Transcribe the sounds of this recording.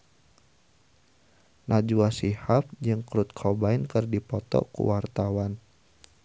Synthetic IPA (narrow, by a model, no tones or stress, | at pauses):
nʔad͡ʒuasihap̚d͡ʒɨŋkɾut̪̚kʰɔbainkɨrdipɔt̪ɔ̰kṵwart̪awan